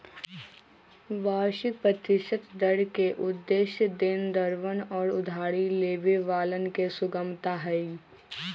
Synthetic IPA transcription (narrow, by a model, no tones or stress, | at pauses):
ʋaːɾʃɪpɾət̪ɪʃət̪d̪əɽkeʔʊd̪ːeːʃjəd̪ɪnd̪əɾʋənɔːɾʊd̪ʱaːɽileːʋeʋaːlənkesʊɡəmt̪aɦɛi